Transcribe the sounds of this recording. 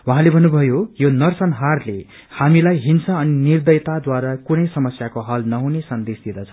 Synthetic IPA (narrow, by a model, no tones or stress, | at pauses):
waɦãlebʱʌnːubʱʌjojonʌrsʌnɦarle | hamilajɦinsaʌninird̪ʌjt̪ad̪waɾakunʌjsʌmʌsjakoɦʌlnʌɦunesʌnd̪esd̪id̪ʌt͡sʰʌ̥